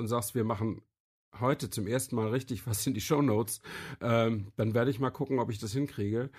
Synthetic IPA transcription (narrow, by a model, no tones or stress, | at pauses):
ʊntz̥aːkstv̥iːɐmaχn̩ | hɔʏtət͡sʊmʔeːɐstn̩maːlʁɪçtɪçv̥asɪndiːʃoʊnoːt͡sʔɛːd̥anveːɐɾəɪçmaːlkʰʊkŋ̩ɔpɪçd̥ashɪnkʁ̥iːɡə